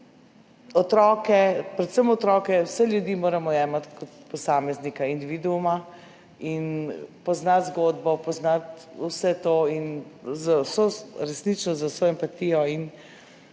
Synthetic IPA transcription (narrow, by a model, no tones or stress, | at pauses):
ɔt̪ɾɔːkɛpɾɛt̪səmɔt̪ɾɔːkɛwsɛljud̪iːmoːɾamɔjɛːmat̪kɔt̪pɔsaːmɛznikaind̪iʋid̪uuma | inpɔznat̪zɡoːd̪bɔpɔznat̪usɛt̪oːinzawsoɾɛsnit͡ʃnɔzasoɛmpat̪ijɔin